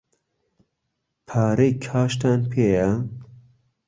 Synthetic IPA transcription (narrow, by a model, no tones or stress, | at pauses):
pʰaːɾejkʰaːʃt̪aːnpʰeːjɛ